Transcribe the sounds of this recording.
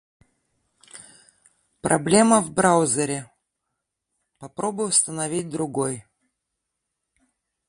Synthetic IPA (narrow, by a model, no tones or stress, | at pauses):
pɾɐ̰blʲe̞məvbɾawzʲəɾʲɪ | pɐpɾobʊjst̪ənɐvʲit̚ʲd̪ɾʊɡoj